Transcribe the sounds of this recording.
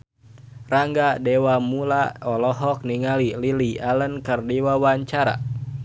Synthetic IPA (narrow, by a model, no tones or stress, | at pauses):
raŋɡadɛwamulaɔlɔɦɔk̚niŋalililialənkərdiwawaɲt͡ʃaɾa̰